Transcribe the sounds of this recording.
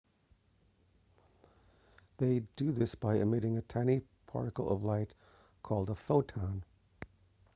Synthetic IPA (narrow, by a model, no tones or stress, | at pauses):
ðeɪd̥ɨðɪsb̥aɪɨ̰mɪɾɪ̃ŋɨtʰãɪñipʰɑ̰ɹɾɨkl̩ˠʌ̰vlaɪt | kʰɔlˠdəfoʊtʰãʊ̃n